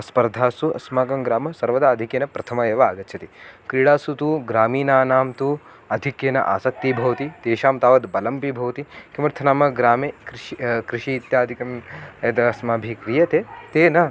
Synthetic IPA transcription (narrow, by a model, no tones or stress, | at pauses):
ɐspɐɾd̪ʱaːsuʔɐ̰smaːɡɐmɡɾaːmɐsɐɾʋɐd̪aːɐd̪ʱikjeːnɐpɾɐt̪ʰɐmɐeːʋaaːɡɐt̪ːʃʰɐt̪ikɾiɽaːsut̪uɡɾaːmiːnaːnaːmt̪u | ɐd̪ʱikjeːnɐ̰ʔa̰ːsɐk̚t̪ibʱɐʋt̪it̪eːʃaːmt̪aːʋɐd̪bɐlɐmpibʱɐʋt̪ikimɐɾt̪ʰɐnaːmɐɡɾaːmekɾkɾiʃiːt̪jaːd̪ʱikɐmɐt̪ɐɐsmaːbʱikɾiːjɐt̪eːt̪eːnɐ